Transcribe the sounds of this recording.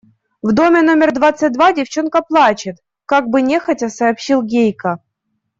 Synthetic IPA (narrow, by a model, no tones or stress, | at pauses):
vd̪o̞mʲɪno̞mʲɪrd̪vat̪sːɨt̚ʲd̪vadʲɪft͡ɕonkəplˠat͡ɕɪt̪ | kaɡ̚bɨnʲexɐtʲɐsɐːpɕilˠɡʲejkɐ